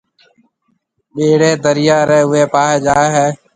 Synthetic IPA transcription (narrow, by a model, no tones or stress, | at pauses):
ɓeːɽeːd̪əɾɪjaːɾeːʊeːpaːɦeːd͡ʒaːɦɛː